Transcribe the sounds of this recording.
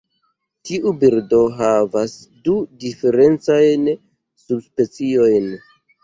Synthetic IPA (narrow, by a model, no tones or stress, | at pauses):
tiʔubiɾdo̞ɦavas | dudife̞ɾe̞nt͡sajn | subspe̞t͡sio̞jn